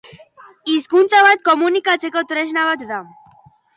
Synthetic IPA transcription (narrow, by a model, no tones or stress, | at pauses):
iskunt͡s̪avat̪̚kɔmunikat͡sekot̪ɾeʃnavat̪ðam